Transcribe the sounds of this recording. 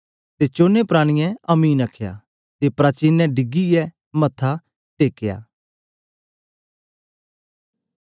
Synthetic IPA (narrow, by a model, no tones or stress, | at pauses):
t̪eːt͡ʃoːnepɾaːɽ̃ɪjɛ̃ɐmiːnəkʰːja̰ː | t̪epɾaːt͡ʃinːɛ̃ɖɪɡijɛ | mɐt̪ʰːa | ʈeːkːeja̰ː